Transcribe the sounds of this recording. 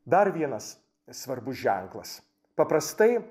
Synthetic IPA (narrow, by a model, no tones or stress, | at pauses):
d̪ɐɾʋʲiɛnɐs | sʋɐɾbʊsʒʲæŋklˠɐs | pɐpɾɐst̪ɐɪ